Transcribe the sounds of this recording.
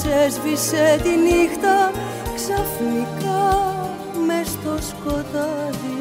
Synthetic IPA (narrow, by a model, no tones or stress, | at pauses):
sezviset̪inixt̪ɐ | ksɐfnikɐ | mest̪o̞sko̞t̪ɐði